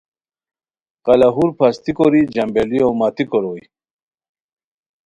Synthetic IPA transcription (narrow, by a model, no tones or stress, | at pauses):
qɐlaɦuɾpʰɐst̪ikoɾid͡ʑɐmbeliowmat̪ikoɾoj